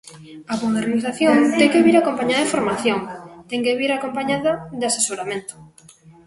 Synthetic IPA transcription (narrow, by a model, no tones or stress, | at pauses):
amoðeɾniθaθjoŋt̪ɛŋkeβiɾakompaɲaðɐðefoɾmaθjoŋt̪ɛŋkeβiɾakompaɲaðɐðeasesoɾamẽnt̪o̥